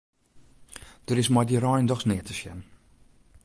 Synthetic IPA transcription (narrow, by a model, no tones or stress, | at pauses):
d̥əɾɪsmɔjdirɔjndɔxsnɪətəʃjɛ̰nə